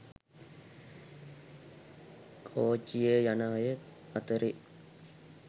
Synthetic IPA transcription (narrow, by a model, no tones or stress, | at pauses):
kʰoːt͡ʃːijeːjanaːjə | ɐt̪əɾi